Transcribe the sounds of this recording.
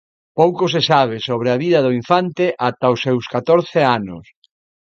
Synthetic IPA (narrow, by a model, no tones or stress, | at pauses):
powkos̬esaβ̞esoβ̞ɾeaβiðɐðʊiɱfant̪eʔat̪aʊsːewskat̪oɾθeanʊ̰s